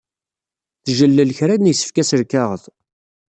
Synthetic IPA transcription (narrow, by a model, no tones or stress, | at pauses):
θʒəlːəlçɾænnjsə̥fkæsəɾkæʁəð